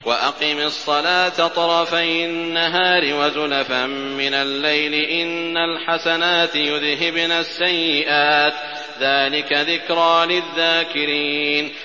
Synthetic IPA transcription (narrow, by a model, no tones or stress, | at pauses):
waʔaqiːmɑsˤːɑlaːt̪at̪ˤɑɾˤɑfajnːaɦaːɾɪwazʊlafaː | ɪnalːajlɪʔɪnːalħasanaːt̪jʊðɦɪbnaːsːajːɪʔaːt̪ | ðaːlɪkaðɪkɾˤaːlɪðːaːkɪɾiːn